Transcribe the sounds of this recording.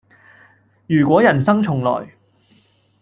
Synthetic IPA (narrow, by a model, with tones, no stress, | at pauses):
jyː˨˩kʷɔː˨˥jɐ˨˩nsɐ˥ŋt͡ʃʰʊ˨˩ŋlɔ̰ː˨˩j